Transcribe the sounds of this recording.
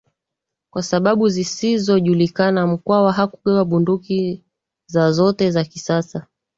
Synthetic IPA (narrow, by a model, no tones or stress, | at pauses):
kwasaɓaɓuzisizɔʄulikanam̩kwawaɦaku̥kɛwaɓunduki | zazɔtɛzakisasa